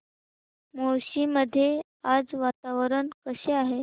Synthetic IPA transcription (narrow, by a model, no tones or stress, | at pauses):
moɾɕiməd̪ʱːje | ad͡zʋat̪aʋəɾəɳkəɕeaɦe